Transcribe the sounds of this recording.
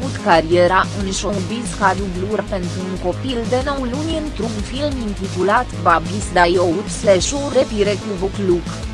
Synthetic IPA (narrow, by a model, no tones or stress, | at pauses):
ut̪kaɾieɾaʔunʃowbizkad̪ubluɾpe̞nt̪ɾuːnko̞pild̪enowlunʲiɨnt̪ɾunfilmint̪it̪ulat̪babisd̪ajout̪sleʃuɾepiɾekubukluk